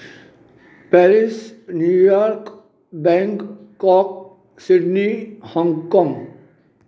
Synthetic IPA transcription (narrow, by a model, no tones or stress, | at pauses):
pɛɾisnjujɔɾk | bɛ̃ŋkːɔk̚ | siɖnihɔ̃ŋkɔ̃ŋ